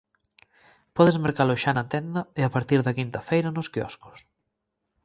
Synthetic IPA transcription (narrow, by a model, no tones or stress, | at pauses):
pɔðezmeɾkaloʃanɐt̪ɛnd̪ɐɪapaɾt̪iɾðɐkint̪ɐfejɾɐnʊskiɔ̰skʊ̥s